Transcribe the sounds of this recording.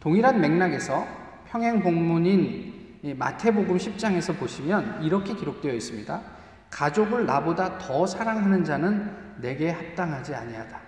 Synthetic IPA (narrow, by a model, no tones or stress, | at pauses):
toŋiɾanme̞ŋnaɡe̞sʰʌ | pʰjʌŋɦeŋpoŋmuɲin | ma̰tʰe̞boɡɯmɕʰip̚t͡ɕ͈aŋe̞sʰʌpoɕʰimjʌniɾʌkʰe̞kiɾok̚t͈wejʌis͈ɯmɲida | kad͡ʑoɡɯɭna̰bodatʌsʰaɾaŋɦanɯnd͡ʑanɯnːe̞ɡe̞hap̚t͈aŋɦad͡ʑia̰ɲiad̥a